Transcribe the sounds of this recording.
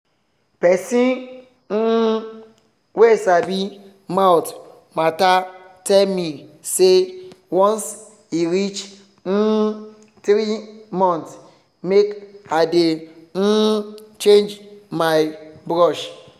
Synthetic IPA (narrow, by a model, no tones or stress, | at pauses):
pɛsĩ | n̩ | wesabi | mawt | mata | tɛlmisewɔ̃ns | iɾit͡ʃ | n̩ | tɾimɔ̃nt | mekaden̩t͡ʃẽnd͡ʒmajbɾɔʃ